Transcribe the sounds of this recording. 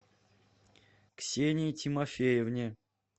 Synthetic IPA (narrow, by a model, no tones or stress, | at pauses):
ksʲenʲitʲimɐfʲejɪvnʲe